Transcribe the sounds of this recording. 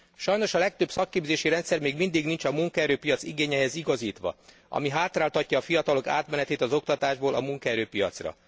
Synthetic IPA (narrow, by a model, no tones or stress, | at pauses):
ʃɒjno̞ʃɒlɛk̚t̪øbsɒkːeːbzeːʃiɾɛnt̪sɛrmeːɡmind̪iɡnint͡ʃɒmuŋkɒɛɾøːpijɒt̪siɡeːɲɛɦɛziɡɒziːt̪ʋɒ̰ | ɒ̰miɦaːt̪raːlt̪ɒcːɒːfijɒt̪ɒlo̞ka̰ːt̪mɛnɛt̪eːt̪ɒzo̞k̚t̪ɒt̪aːʒboːlʔɒmuŋkɒɛɾøːpijɒ̰t̪srɒ̰